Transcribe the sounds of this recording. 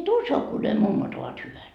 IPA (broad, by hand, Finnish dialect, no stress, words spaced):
et uso ku ne mumːot oʋɑt hyʋæt